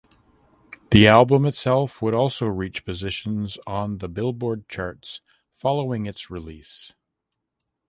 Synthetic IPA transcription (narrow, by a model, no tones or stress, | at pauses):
ðiælˠbə̃mɨtsɛlˠfwəɾɔlˠsoʊɹit͡ʃpʰɨzɪʃɨ̃n̩zn̩ðəbɪlˠbɔɹd̚t͡ʃʰɑɹts | fɑlˠoʊɪ̃ŋɨtsɹɪlis